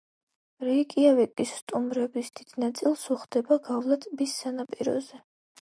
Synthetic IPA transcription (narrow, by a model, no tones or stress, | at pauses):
ɾikʼiavɛkʼisːt̪ʼumɾɛbisd̪̥id̪̥nat̪sʼilˠsuχd̪ɛbaɡavlˠat̪ʼbisːanapʼiɾɔ̰zɛ